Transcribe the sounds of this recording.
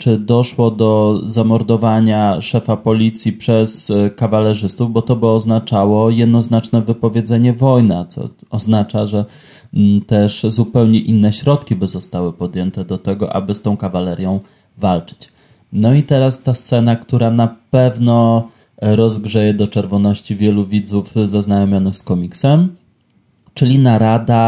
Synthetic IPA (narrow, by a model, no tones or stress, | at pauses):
t͡ʂɘd̪ɔʂwɔd̪ɔzamɔɾd̪ɔvaɲaʂɛfapɔlʲit̪sʲjipʂɛskavalɛʐɘst̪uvbɔt̪ɔbɘɔznat͡ʂawɔjɛd̪nɔznat͡ʂnɛvɘpɔvʲjed̪zɛɲɛvɔjnat̪sɔ̰ɔznat͡ʂaʐɛ | t̪ɛʂzupɛwɲɛʔinːɛɕɾɔt̪kʲibɘzɔst̪awɘpɔd̪ʲjɛnt̪ɛd̪ɔt̪ɛɡɔ̰ʔa̰bɘst̪ɔ̃w̃kavalɛɾʲjɔ̃w̃ | valt͡ʂɘ̥t͡ɕ | nɔit̪ɛɾast̪ast̪sɛn̪akt̪uɾanapɛvnɔ | ɾɔzɡʐɛjɛd̪ɔt͡ʂɛɾvɔnɔɕt͡ɕivʲjɛluvʲid̪zufzaznajɔmʲjɔnɛxskɔmʲiksɛm | t͡ʂɘlʲinaɾad̪a